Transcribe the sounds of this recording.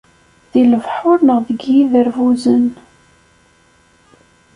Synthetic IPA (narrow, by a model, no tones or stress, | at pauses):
ðiləvħʊɾnəʁðəɡjiðəɾvuzən